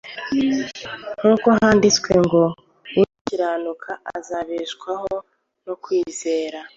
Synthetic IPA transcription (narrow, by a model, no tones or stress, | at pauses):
ŋ̥uːkoɦaːndit͡skwe̞ŋɡo̞ | iciɾaːnukʰaʔa̰zaβeʃkwaho | nokwiːze̞ːɾa